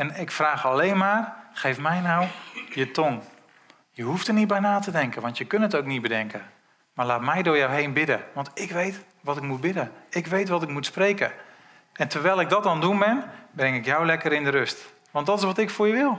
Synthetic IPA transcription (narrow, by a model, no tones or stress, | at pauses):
ɛnɪkfraːxalejnmaːrxejfmɛjnawjətoŋ | jəɦuftərnit̚bɛjnaːtədɛŋkənʋɑntjəkɵnətowknit̚bədɛŋkə | maːɹlaːtmɛjdʊːɹjawɦejnbɪdəʋɑntɪkʋejt | ʋɔtɪkmut̚bɪdəɪkʋejtʋɔtɪkmutsprejkə̰ | ʔɛntərʋɛjlˠɪɡ̚dɔt̚dɔndunbɪnbrɛŋɪkjawlɛkəɾɪndəɾøst | ʋɑntdɔtɪsʋɔtɪkfʊːɹjəʋɪlˠ